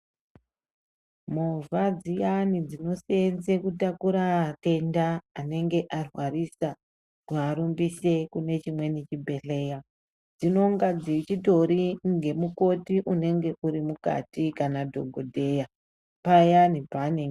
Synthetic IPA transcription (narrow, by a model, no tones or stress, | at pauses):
muvad͡zijanid͡zino̞seenzekutakuɾate̞ndaːne̞ŋɡe̞ʔarwarisa | kuaɾumbise̞kune̞t͡ʃimwe̞nit͡ʃibʱe̞ɬe̞ːja | d͡zino̞ŋɡad͡zit͡ʃito̞ɾiŋɡe̞muko̞tiʔune̞ŋɡe̞ʔuɾimuka̰tikanadʱo̞̰ɡʱodʱe̞ja | pajanibʱaneŋ